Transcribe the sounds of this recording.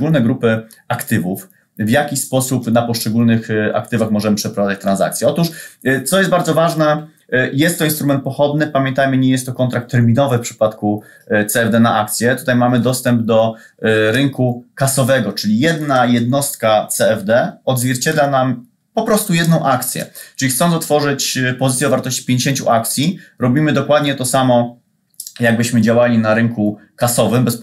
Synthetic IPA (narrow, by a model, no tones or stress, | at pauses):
ɡulnɛɡɾupɘ | akt̪ɘvuf | vjakʲispɔsupnapɔʂt͡ʂɛɡulnɘxa̰kt̪ɘvaxmɔʐɛmɘpʂɛpɾɔvad̪at͡ɕt̪ɾãnza̰k̚t̪sʲjɛɔt̪uʂt̪sɔjɛst̪̚baɾzɔvaʐnɛ | jɛst̪ːɔinst̪ɾumɛnt̪̚pɔxɔd̪nɘpamʲjɛnt̪ajmɘɲɛjɛst̪ːɔkɔnt̪ɾak̚t̪ʰːɛɾmʲinɔvɘfpʂɘ̥pat̪ku | t̪sɛːvd̪ɛnaʔak̚t̪sʲjɛt̪ut̪ajmamɘd̪ɔst̪ɛmb̚d̪ɔ | ɾɘŋkukasɔvɛɡɔt͡ʂɘlʲijɛd̪najɛd̪nɔst̪̚kat̪sɛɛvd̪ɛɔd̪zvʲjɛɾt͡ɕed̪lanam | pɔpɾɔst̪ujɛd̪nɔ̃w̃ʔakt̪sʲjɛ̰t͡ʂɘixt̪sɔnt̪sɔt̪fɔʐɘt͡ɕpɔzɘt̪jɛd̪ɔvaɾt̪ɔɕt͡ɕi̥pʲjeɲd͡ʑeɕeɲt͡ɕṵʔak̚t̪sʲjiɾɔbʲimɘd̪ɔkwad̪ɲɛt̪ɔsamɔ | jaɡ̚bɘɕmɘd͡ʑawalʲinaɾɘŋkukasɔvɘmbɛs